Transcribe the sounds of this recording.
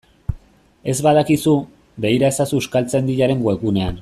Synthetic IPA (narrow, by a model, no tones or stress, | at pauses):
e̞zβaðakisu | be̞iɾae̞sasuuskalt͡se̞nd̪iʎaɾe̞ŋɡwe̞kune̞an